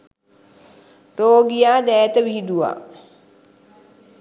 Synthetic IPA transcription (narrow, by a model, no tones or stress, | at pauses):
roːɡijaːd̪ɛːt̪əʋiɦid̪uʋa̰ː